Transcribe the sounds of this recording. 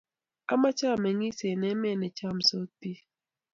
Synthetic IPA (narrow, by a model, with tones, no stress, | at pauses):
a̰˦ma˦t͡ʃa˦˨mɛ˨ŋi˦se˨nɛ˦mɛ˦˨nɛ˨t͡ʃa˦˨m̩˨so˦pi˦